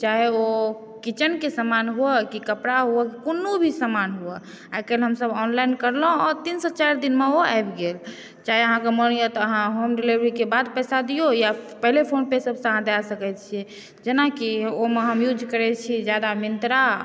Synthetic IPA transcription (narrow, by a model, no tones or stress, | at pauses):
t͡ʃaɦeo | kit͡ʃənkesəmanɦuɛkikəpɽaɦuɛkikonːobʱisəmanɦuɛ | akelɦəmsəbɔnlajnkəɾlə̃ɔɾt̪insət͡ʃaɾd̪inmeoa̰jbɡel | t͡ʃaɦeəɦãkemənijot̪ɔəɦãɦomɖilibɾikebad̪pɛsad̪ijojapəɦlepʰonpesəbsə̃əɦãd̪asəkɛt͡ʃʰiɛ | d͡ʒenakiomeɦəmjud͡ʒʱkəɾɛt͡ʃʰid͡ʒjad̪amint̪ɾa